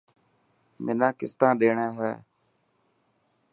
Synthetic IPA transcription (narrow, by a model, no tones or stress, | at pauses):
mɪnãːkɪst̪ãːɗeːɳɛ̃ːɦɛː